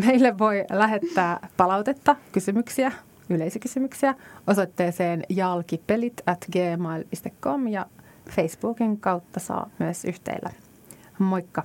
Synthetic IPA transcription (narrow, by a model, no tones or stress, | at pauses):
me̞ilːeʋo̞jlæɦe̞t̪ːæːpɑlɑwt̪e̞t̪ːɑkysymyksiæ | yle̞isikysymyksiæo̞so̞t̪ːe̞ːse̞ːnjɑlkipelit̪æt̪ɡeːmɑilpist̪ekːo̞mjɑ | fe̞jsb̥uːkiŋkɑwt̪ːɑsɑ̰ːmyesyht̪ḛilːæ̰ | mo̞jkːɑ